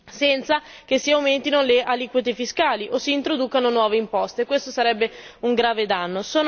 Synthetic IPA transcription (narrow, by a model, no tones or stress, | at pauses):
sɛnt̪sak̟esːiawment̪inoleʔaliːkwit̪efiskaːliʔosːiːnt̪ɾod̪uːkanonwɔːveimpɔst̪ekwest̪osaɾɛbːeuŋɡɾaːved̪anːosoːn